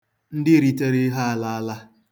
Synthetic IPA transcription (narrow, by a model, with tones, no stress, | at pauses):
n̩˦dɪ˦ɾi˦te˦ɾe˦ɦa˦a˦˨la˦a˦la˦